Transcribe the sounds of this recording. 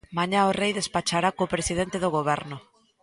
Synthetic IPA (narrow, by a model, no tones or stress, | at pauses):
maɲaorejðe̞spat͡ʃaɾakopɾesið̞e̞nt̪eð̞oɣ̞oβ̞e̞ɾno